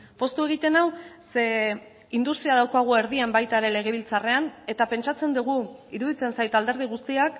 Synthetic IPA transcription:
po̞st̪ue̞ɣ̞it̪e̞nawse | ind̪ust̪ɾiaðawkaɣ̞ue̞ɾðiambajt̪aeɾe̞le̞ɣ̞e̞β̞ilt͡sare̞ane̞t̪ape̞nt͡ʃat͡se̞nd̪uɣ̞uiɾuðit͡se̞nsajt̪ald̪e̞ɾð̞iɣ̞ust̪iak

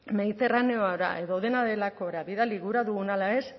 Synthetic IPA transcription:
me̞ðit̪e̞rane̞o̞aɾa̰ʔe̞ðo̞ðe̞naðe̞lako̞ɾaβiðaliɣuɾaðuɣunalae̞s

